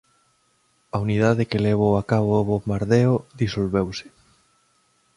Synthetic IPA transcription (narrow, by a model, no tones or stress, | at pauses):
aunið̞aðɪkeleβ̞owakaβoβomaɾðeoðisolβewsɪ̥